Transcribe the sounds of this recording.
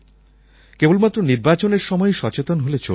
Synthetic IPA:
kebolmat̪ːɾoniɾbat͡ɕoneɾʃɔmɔeʃɔt͡ɕet̪onɦolet͡ɕo̰

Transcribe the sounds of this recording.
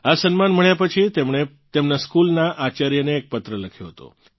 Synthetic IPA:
asənmanməɭjapət͡ʃʰit̪emɳe | t̪emnaskulnaʔat͡ʃaɾjəneːk̚pət̪ɾələkʰjo̰ɦət̪o̰

